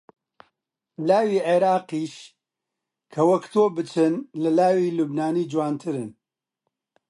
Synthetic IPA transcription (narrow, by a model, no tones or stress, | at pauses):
laːwiːʕeɾaːqiːʃ | kʰɐwɐkt̪ʰoːbɨt͡ʃʰɨnlɨlaːwiːlubnaːniːd͡ʒwaːnt̪ʰɨɾɨn